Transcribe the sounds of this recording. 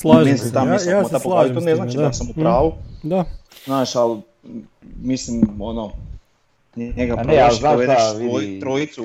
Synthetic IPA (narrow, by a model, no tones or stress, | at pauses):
slaʒmenst̪amisot̪apoait̪oneznaːt͡ʃit̪amsamupɾaːʋud̪aznaːʃal | mislimono | nnekapɾaalnaeaot̪ɾoit̪su